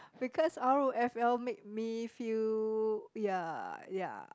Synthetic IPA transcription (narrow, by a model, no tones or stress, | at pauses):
b̥ikʰɔsaɹoʔɛfɛlmek̚mifil | jaja̰